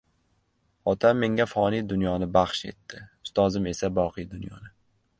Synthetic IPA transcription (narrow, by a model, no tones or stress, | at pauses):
ɒt̪ʰamːe̞ŋafɒnid̪ʊnjɒnɪbaχʃe̞̰t̪ːɪʊst̪ɒzɪme̞sabɒqɨjd̪ʊnjɒ̰nɪ